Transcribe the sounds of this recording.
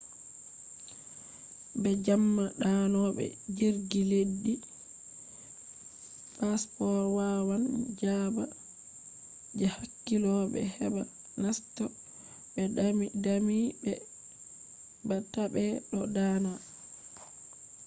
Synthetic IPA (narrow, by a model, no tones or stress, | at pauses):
bɛd͡ʒamːaɗanɔbɛ̰d͡ʒiɾɡiledːi | paspɔɾwawand͡ʒaba | d͡ʒɛhakːilɔbɛ̰hɛba | nastɔ | bɛdamibɛ | batabɛɗɔdaːna